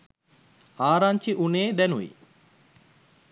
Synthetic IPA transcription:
aːɾaɲt͡ʃiʔuneːd̪ænuʋḭ

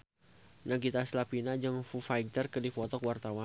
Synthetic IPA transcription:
nəɡit̪aslapinad͡ʒəŋfufajt̪ərkədifɔt̪ɔkwart̪awa

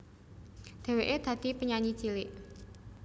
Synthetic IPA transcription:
d̪̥e̤weʔed̪̥ä̤d̪̥ipəɲaɲi̥t͡ʃilɪʔ

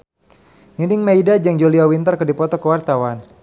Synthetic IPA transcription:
ninɪŋmaidad͡ʒaŋd͡ʒoliawint̪ərkədipɔt̪ɔkəwart̪awan

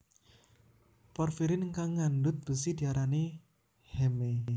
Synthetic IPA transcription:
pɔrfiɾɪnəŋkaŋːandʊt̪̚b̥ə̤sid̪̥i̤aɾane | hɛme

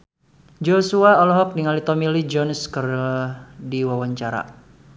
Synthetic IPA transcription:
d͡ʒosuaɔlɔɦɔk̚niŋalit̪ɔmilid͡ʒɔnskər | diwawaɲt͡ʃaɾa̰

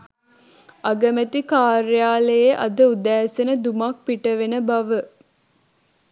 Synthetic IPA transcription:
ʔɐɡəmæt̪ikaːɾjaːləjeʔɐ̰d̪əud̪æːsenəd̪umɐk̚piʈəʋenəbɐʋə

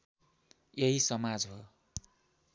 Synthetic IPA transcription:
jeɦisʌmad͡zɦo

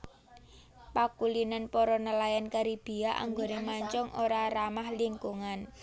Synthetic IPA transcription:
pakulinanpɔɾɔnəlajankaɾib̥i̤aʔa̰ŋɡonemaɲt͡ʃɔŋoɾaɾamahliŋkuŋan

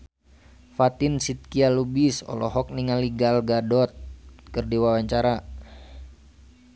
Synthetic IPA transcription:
fat̪insit̪̚kialubisɔ̰lɔɦɔk̚niŋaliɡalɡadɔt̪̚kɨrdiwawaɲt͡ʃaɾa

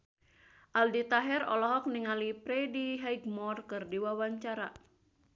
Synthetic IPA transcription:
ʔaldit̪aɦɛrɔ̰lɔɦɔk̚niŋalipɾɛdiɦaiɡmɔrkɨrdiwawaɲt͡ʃaɾa

